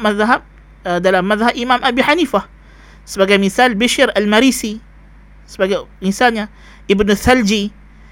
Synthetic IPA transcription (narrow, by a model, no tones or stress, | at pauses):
maðɦab̚ | d̪alaːbmaðhabʔimaːmʔabiħaniːfa | sbaɡamiθaːlbɪʃiɾalmaɾiːsi | sbaɡamisaːnja | ʔɪbnθald͡ʒi